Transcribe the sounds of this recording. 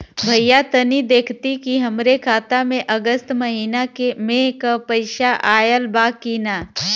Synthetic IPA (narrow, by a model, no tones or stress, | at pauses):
bʱɐjjat̪ɐnid̪eːkʰt̪ikiɦɐmɾekʰaːt̪amẽʔɐɡəst̪mɐɦiːnakemẽkapəɪʃaʔaːjəlbaːkiːnaː